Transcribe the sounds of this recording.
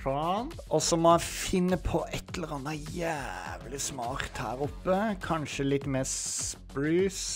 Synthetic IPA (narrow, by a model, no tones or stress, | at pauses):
ɑn | ɔsɔmɔæfɪnːəpʰɔʔɛt̪ʰːələʁɑnːɑjæʋlɪsmɑːɾt̪hæ̰ːɾʊpːəkʰɑnʃəlɪt̪ːmeːspɾʉːs